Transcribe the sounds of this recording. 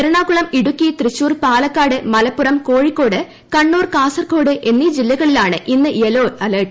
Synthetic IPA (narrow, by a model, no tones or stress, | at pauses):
eɾɐɳaːkuɭɐmiɽukːit̪rɨɕːuːrpaːlɐkːaːɽɨmɐlɐpːurɐmkoːɻikːo̞ːɽɨ | kɐɳːuːrkaːsɐrko̞ːɽɨʔe̞nːid͡ʑilːɐɣɐɭilaːɳɨʔinːɨjeloːɐlɐːʈ